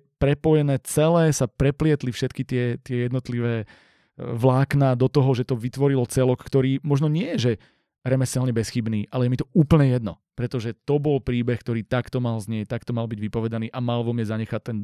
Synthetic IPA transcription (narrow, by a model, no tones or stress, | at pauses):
pɾɛpɔjɛnɛːt͡sɛlɛːsapɾɛplɪɛt̪lifʃɛt̪kit̪ɪɛt̪ɪɛjɛd̪nɔt̪liʋɛː | ʋlaːknaːd̪ɔt̪ɔɦɔʒɛt̪ɔʋit̪ʋɔɾilɔt͡sɛlɔkːt̪ɔɾiːmɔʒnɔɲɪɛjɛʒɛ | ɾɛmɛsɛlɲɛbɛsxibniːʔalɛjɛmit̪ɔuːpl̩ɲɛjɛd̪nɔ | pɾɛt̪ɔʒɛt̪ɔbɔlpɾiːbɛxk̚t̪ɔɾiːt̪akt̪ɔmalzɲɪɛc̚t̪akt̪ɔmalbiɟʋipɔʋɛd̪aniːʔamalʋɔmɲɛzaɲɛxac̚t̪ːɛn